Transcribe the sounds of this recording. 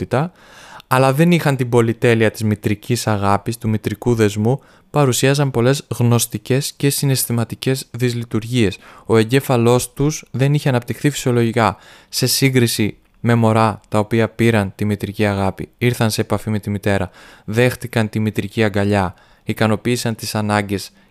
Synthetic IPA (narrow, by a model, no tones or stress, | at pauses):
it̪ɐ | ɐlɐðe̞nixɐnt̪ibo̞lit̪e̞liɐt̪izmit̪ɾicisɐɣɐpist̪umit̪ɾikuðe̞zmu | pɐɾusiɐzɐmpo̞le̞zɣno̞st̪ice̞sce̞sine̞st̪imɐt̪ice̞zðizlit̪uɾʝie̞so̞e̞ɲɟe̞fɐlo̞st̪usðe̞niçeɐnɐp̚t̪ixθifi̥sio̞lo̞ʝikɐse̞siŋɡɾisi | me̞mo̞ɾɐt̪ɐo̞piɐpiɾɐnt̪imit̪ɾiciɐɣɐpḭiɾθɐnse̞ːpɐfime̞t̪imit̪e̞ɾɐðe̞xθikɐnt̪imit̪ɾiciɐŋɡɐʎɐ | ikɐno̞piːsɐnt̪isɐnɐɲɟe̞s